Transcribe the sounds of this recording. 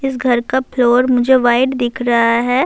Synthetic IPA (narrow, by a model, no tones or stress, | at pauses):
ɪsɡʱɐɾkaploːɾmʊd͡ʒʱeʋaːɪɖd̪ɪkʰɾɐɦaɦɛː